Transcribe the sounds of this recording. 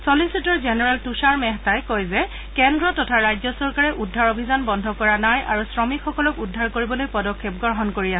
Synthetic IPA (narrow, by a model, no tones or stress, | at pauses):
solisitɔɹzɛnɛɹaltusaɹmɛɦtajkojzɛ | kɛndɹɔtɔtʰaɹajzɔsɔɹkaɹɛʔudʱːaɹobʱizanbɔndʱɔkɔɹanajaɹusɹɔmikxɔkɔlɔkudʱːaɹkoɹibɔlojpɔdɔkʰːep̚ɡɔɹɦɔnkoɹias